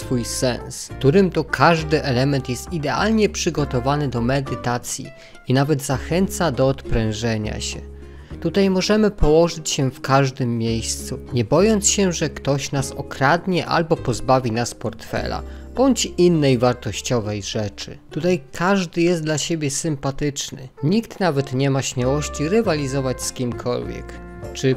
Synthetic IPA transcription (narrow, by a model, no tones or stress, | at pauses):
sfujsɛ̰nskt̪uɾɘmt̪ɔkʰaʐd̪ɘʔɛlɛmɛnt̪jɛst̪id̪ɛa̰lɲɛpʂɘɡɔt̪ɔvanɘd̪ɔmɛd̪ɘt̪at̪sʲjḭ | inavɛd̪zaxɛnt̪sad̪ɔːt̪pɾɛ̃wʐɛɲa̰ɕɛ̰ | t̪ut̪ajmɔʐɛmɘpɔwɔʐɘt͡ɕɕɛfkaʐd̪ɘmːʲjejst̪suɲɛbɔjɔnt̪sɕɛʐɛkt̪ɔɕnasɔkɾad̪ɲɛʔa̰lbɔpɔzbavʲinaspɔɾt̪fɛ̰la̰b̥ɔɲt͡ɕinːɛjvaɾt̪ɔɕt͡ɕɔvɛjʐɛt͡ʂɘ̰t̪ut̪ajkʰaʐd̪ɘjɛst̪d̪laɕebʲjɛsɘmpat̪ɘt͡ʂnɘɲikt̪navɛt̪ɲɛmaɕmʲjawɔɕt͡ɕiɾɘvalʲizɔvat͡ɕskʲimkʰɔ̰lvʲjɛ̰k | t͡ʂɘ